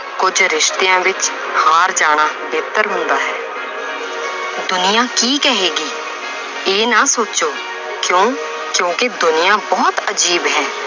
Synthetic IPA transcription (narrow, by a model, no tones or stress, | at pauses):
kʊd͡ʒɾɪʃt̪ejãːʋɪt͡ʃ | haːɾd͡ʒaːɽ̃aːbeːt̪əɾɦʊ̃nd̪aːɦɛː | d̪ʊnɪjãːkiːkɛɦeːɡiː | eːnaːsoːt͡ʃoː | kjõː | kjõːkɪd̪ʊnɪjãːbɔːt̪əd͡ʒiːbɦɛ̃ː